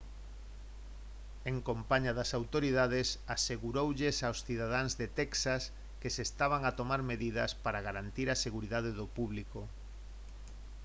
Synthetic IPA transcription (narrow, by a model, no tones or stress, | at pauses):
eŋkompaɲaðasawt̪oɾiðaðesaseɣuɾowʎesawsθiðað̞aŋzðet̪ɛksas | kesest̪aβ̞aŋat̪omaɾmeðiðɐspaɾaɣaɾant̪iɾaseɣuɾiðað̞eðopuβliko